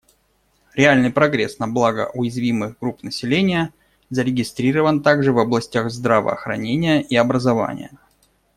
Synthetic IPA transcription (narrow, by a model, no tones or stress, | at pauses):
ɾʲɪalʲnɨjpɾɐɡɾʲḛsnɐblˠaɡə̰ʔʊjɪzvʲimɨɣɡɾupnəsʲɪlʲenʲɪjə | zəɾʲɪɡʲɪst̪ɾʲiɾəvənt̪aɡʐɨvɐblˠɐsʲtʲaxzd̪ɾavə̰ːxɾɐ̰nʲenʲɪjəʔiɐbɾəzɐva̰nʲɪ̰jə